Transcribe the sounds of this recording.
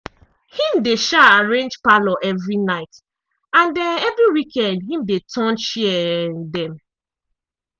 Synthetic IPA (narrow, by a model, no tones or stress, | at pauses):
hĩmdeʃaaɹẽnd͡ʒpalɔʔɛvɹinaɪt | ãndɛnɛvɹiwikʰɛ̃ndɦĩmdetʰɔ̃nʃiɛdɛ̃m